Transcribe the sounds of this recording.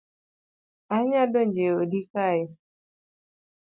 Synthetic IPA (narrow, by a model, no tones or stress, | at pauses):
aɲadoɲd͡ʒeodikajɔ